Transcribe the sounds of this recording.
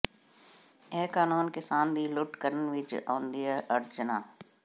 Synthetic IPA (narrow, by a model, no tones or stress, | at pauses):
eːkaːnuːnkɪsaːnd̪iːlʊʈkəɾənʋɪt͡ʃõːnd̪ijaʔəɾd͡ʒʊnaː